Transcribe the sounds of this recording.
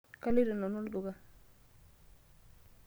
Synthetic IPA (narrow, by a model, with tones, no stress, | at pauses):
ka˦li˦dɔ˨nɔ˨nɔ˦ldu˨ɡa˦